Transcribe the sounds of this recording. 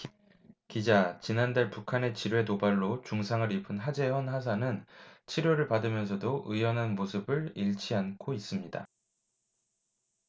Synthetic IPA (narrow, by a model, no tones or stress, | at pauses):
kid͡ʑat͡ɕinandaɭpukʰane̞t͡ɕiɾwe̞tobaɭːot͡ɕuŋsʰaŋɯɾipʰɯnɦad͡ʑe̞ɦʌnɦas̬ʰanɯnt͡ɕʰiɾjoɾɯɭpadɯmjʌns̬ʰʌdoʔɯjʌnɦanmosʰɯbɯɭiɭt͡ɕʰiankʰois͈ɯmɲida̰